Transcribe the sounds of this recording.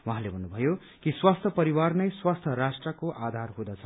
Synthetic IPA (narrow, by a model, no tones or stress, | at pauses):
wãɦãlebʱʌnːubʱʌjo | kiswast̪ʰjʌpʌɾiwarnʌjswast̪ʰʌɾasʈrʌkoʔad̪ʱarɦud̪ʌt͡sʰʌ